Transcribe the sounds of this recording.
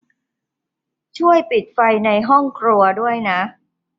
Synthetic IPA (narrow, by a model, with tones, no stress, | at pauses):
t͡ɕʰu˥˩əjpi˨˩t̪̚fa˧jna˧jɦɔ˥˩ŋkʰɾu˧ɐdu˥˩əjna˦˥ʔ